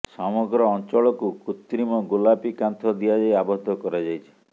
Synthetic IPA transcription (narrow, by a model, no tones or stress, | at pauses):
sɔmɔɡɾɔːnt͡ʃɔɭɔkukut̪ːɾimɔɡulapikant̪ʰɔd̪iad͡ʒajabɔd̪ʱːɔkɔɾad͡ʒajt͡ʃʰi̥